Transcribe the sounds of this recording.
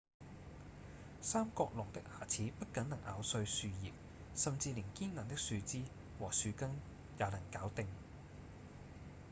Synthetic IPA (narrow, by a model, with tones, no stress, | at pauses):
saː˥mkɔː˧k̚lʊ˨˩ŋt̪ɪ˥k̚haː˨˩t͡sʰiː˨˥pɐ˥t̚kɐ˨˥nnɐ˨˩ŋʔa̰ː˨˧wsɵ˧ɥsyː˧jḭː˨p̚ | sɐ˨mt͡siː˧liː˨˩ŋkiː˥nnɐː˨˩nt̪ɪ˥k̚syː˧t͡siː˥ | wɔː˨˩syː˨˧kɐ˥ŋ | jɐː˨˧wlɐ˨˩ŋkaː˨˥wt̪ɪ˧ŋ